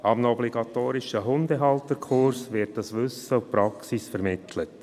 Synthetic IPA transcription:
ɑmnɔbliɡɑtoːɾɪʃəɦʊndəɦɑltəɾkʰʊɾsʋɪɾt̚dɑsʋʏsəʊpɾɑksisfəɾmɪtʰlət

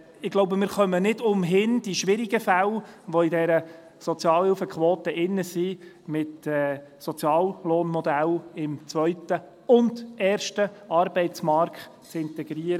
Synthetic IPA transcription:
ɪɡ̥loʊbəmɪːɾχœmənɪdʊmɦɪnd̥iʃʋɪɾiɡ̥əfælʋɔidɛɾə | sɔt͡sjɑːlhɪlfəkχʋoːt̪əʔɪnːəsi | mɪtɛsɔt͡sjɑːllɔːnmɔd̪ælɪmt͡sʋœʏtə | ʊndɛːrʃtəɑɾbɛɪtt͡smɑɾkt | t͡sɪnt̪ɛɡ̥ɾiəɾə

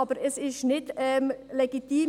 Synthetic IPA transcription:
ɑbəɾɛsɪʃnɪtɛmlɛɡ̥it̪iː

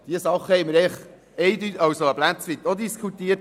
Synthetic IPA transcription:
d̪̥iəsɑχːəhɛɪməɾɛχ | ɛɪd̪ytɑwsoəblæt͡sʋit̪od̪iskʰχut̪iət

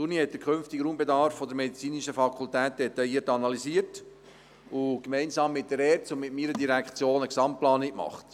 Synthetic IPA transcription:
sunihɛt̚d̪əkʰχʏnftiɡɾuːmbedɑɾfːɔd̪əɾmɛdit͡siːniʃəfɑkʰʊltæːt̚d̥̪ɛtɑjiːətɑnɑliziət | ʊkmɛɪnsɑːmːɪt̚d̥əɾɛːɾsʊmɪtmiːɾədiɾækχt͡sjoːnəksɑmt̚plɑːnɪkmɑ̰χt

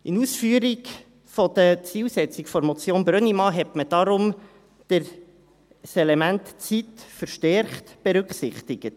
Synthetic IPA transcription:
inuːsfyːəɾiɡ | fɔd̥̪ət͡siːlsɛt͡sɪkfɔɾmɔt͡sjoːnbɾœnimɑɦɛtməd̥ɑɾʊm | d̥ɪɾ | sɛlɛmæntt͡sitfəɾʃtɛɾχtb̥eɾʉkχsɪχtɪɡ̥ət

